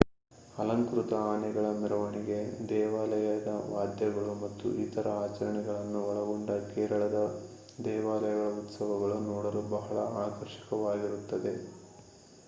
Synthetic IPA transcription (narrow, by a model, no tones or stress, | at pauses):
ɐlɐŋkɾut̪ɐaːnɛɡɐɭɐmɛɾɐʋɐɳiɡe̞d̪ɛːʋaːlɐjɐd̪ɐʋaːd̪jɐɡɐɭumɐt̪ːṵʔit̪ɐɾɐaːt͡ʃɐɾɐɳɛɡɐɭɐnːuɔɭɐɡoɳɖɐkɛːɾɐɭɐd̪ɐ | d̪ɛːʋaːlɐjɐɡɐɭɐut̪sɐʋɐɡɐɭunɔːɽɐlubɐɦɐɭɐaːkɐɾʃi̥kɐʋaːɡiɾut̪ːɐd̪e̞